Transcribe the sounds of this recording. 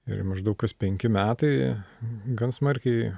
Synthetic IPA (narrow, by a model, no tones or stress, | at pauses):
ɪ̰ɾmɐʒd̪ɐʊkɐspʲɛŋʲkʲɪmʲæːt̪ɐɪ | ɡɐnsmɐɾʲkʲɛɪ